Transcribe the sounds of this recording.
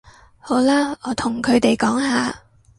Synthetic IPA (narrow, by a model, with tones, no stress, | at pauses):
ho˨˥wlaː˥ɔː˨˧t̪ʰʊ˨˩ŋkʰɵ˨˧ɥt̪e˨jkɔː˨˥ŋɦaː˨